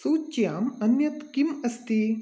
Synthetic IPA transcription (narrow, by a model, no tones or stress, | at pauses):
suːt͡ʃːjaːmɐnjɐt̪kimɐst̪i